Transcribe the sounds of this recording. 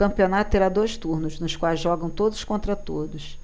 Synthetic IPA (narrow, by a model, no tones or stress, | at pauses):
kɐ̃pionat̪ʊ̥t̪eɾad̪ojʃt̪uɾnʊznʊskwajzʒɔɡɐ̃w̃t̪od̪ʊzʊskõnt̪ɾɐt̪od̪ʊs